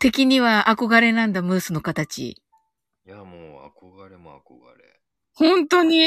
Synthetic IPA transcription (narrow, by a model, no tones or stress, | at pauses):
t̪e̞kʲiɲ̟iβaʔako̞ɡaɾe̞nãnd̪amɯ̟ːsɨno̞kat̪at͡ɕḭ | jamoːa̰koɡaɾemo̰a̰koɡa̰ɾḛ | hõ̞nt̪o̞ɲ̟i